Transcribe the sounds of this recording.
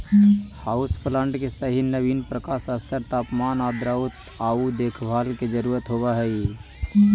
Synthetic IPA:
hauspləɳɖkesəɦinəbinpɾəkasəst̪ʰəɾt̪apmanad̪ɾaut̪ | aud̪ekʰbʱalked͡ʒəɾuɾət̪ɦoβəɦəj

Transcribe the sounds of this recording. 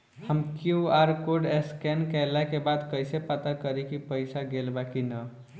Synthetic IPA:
həmkjuaɾkoɖeskɛnkɛlakebad̪kəjsepat̪akəɾikipəɪsaɡelbakinə

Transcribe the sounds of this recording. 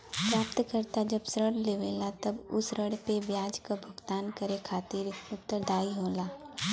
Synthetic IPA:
pɾaːp̚t̪kəɾt̪ad͡ʒɐbsɾəɽleːʋeːlat̪ɐbʊ̰sɾəɽpeʋjaːd͡ʒkabʱʊɡt̪aːnkəɾekʰaːt̪iːɾʊt̪ːəɾd̪ʱaːiɦoːlaː

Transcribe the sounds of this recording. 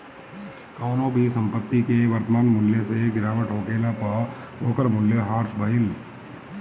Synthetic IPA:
kaʊnoːbʱisɐ̃mpət̪ːikeʋɐɾt̪əmaːnmʊljeseɡɪɾaːʋəʈɦoːkeːlapɐ | ɦoːkəɾmʊljəɦaːɾsbʱɐɦɪl

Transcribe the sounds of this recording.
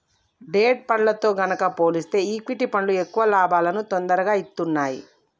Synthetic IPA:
ɖeːʈ̚pɐɳlɐt̪o̞ːɡɐnɐkɐpo̞ːlist̪e̞ːiːkʋiʈipɐɳlue̞kːuʋɐlaːbaːlɐnut̪ond̪ɐɾɐɡaːit̪ːunːaːji

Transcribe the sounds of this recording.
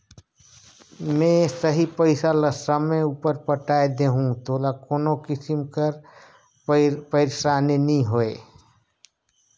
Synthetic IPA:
mẽsəɦipəɪsaləsəmẽuːpəɾpəʈaːed̪eɦũt̪oːlakoːnokɪsimkəɾ | pəɪɾsaːneniɦoe

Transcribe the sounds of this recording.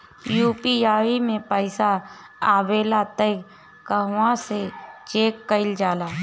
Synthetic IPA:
juːpiaːimẽpəɪsa | aːbeːlat̪əɪk | kəɦwãset͡ʃeːkːəɪld͡ʒaːlaː

